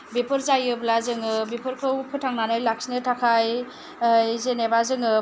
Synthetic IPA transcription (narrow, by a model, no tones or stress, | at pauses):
bipʰɯɾzajɯblazɯŋɯbipʰɯɾkʰɯwpʰɯtʰaŋnanɯjlak̚sinɯtʰakʰaj | zenebazɯŋɯ